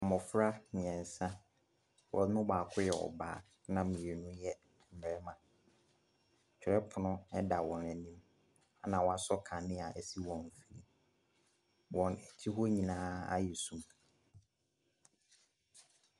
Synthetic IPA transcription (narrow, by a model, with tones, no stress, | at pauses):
a˨mʊ̃˨fɾa˦nɪ̃˨ɛ̃˨n˨sã˦ | wɔ˨nʊ̃˦baː˨kʰʊ˦jɛ˨ɔ̰˨ba̰ː˦˨ | nã˨mĩ˨e˨nʊ̃˦jɛ˦˨ | m̩˨mɛ˨ɾɛ˦mã˨ | t͡ɕᶣɛ˨ɾɛ˦pʰʊ˨nʊ̃˦ɛ˦da˨wɔ̃˨næ˨nĩ˦m | a˦nã˨wɔ̃˨˦a˦sɔ˦kʰa˨nɪ̃˦a˨ʔæ˨si˦wɔ̃˨m˨fi˨li˨ | wɔ̃˨nɛ˨tʰi˦ɦo˦ɲĩ˨nãː˦a̰˦jɛ˨sũ˨m